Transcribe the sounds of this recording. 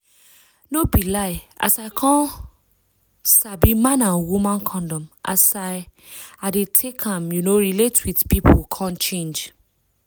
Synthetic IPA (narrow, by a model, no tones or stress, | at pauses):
nobilaɪʔa̰saɪkʰɔ̃n | sabimãnãnwumãnkʰɔ̃ndɔ̃mʔa̰saɪ | adetʰekʰãmjunoɹiletwidpipʰokʰãnt͡ʃẽnd͡ʒ